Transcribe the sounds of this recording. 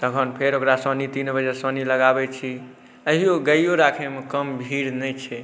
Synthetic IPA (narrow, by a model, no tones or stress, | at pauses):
t̪əkʰənpʰeɾokɾasənit̪inbəd͡ʒesəniləɡabɛt͡ʃʰi | əɦijoɡəjjoɾakʰemekəmbʱiɾnɛt͡ʃʰɛ